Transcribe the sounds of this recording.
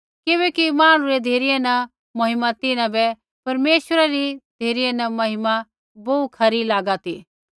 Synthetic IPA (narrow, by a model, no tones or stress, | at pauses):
kɪβɛːkimãːɽ̃ũɾɛd̪ʱeːɾijɛnɐ̃ | mɐɦɪmat̪ɪnãbɛ | pɐɾmeːʃwəɾaɾid̪ʱeːɾijɛnɐmɐɦɪma | boukʰɐɾilaːɡat̪iː